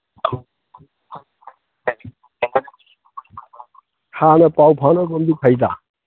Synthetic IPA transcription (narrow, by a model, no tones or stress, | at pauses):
hʰanɐpawpʰanɐɡombipʰajd̪a̰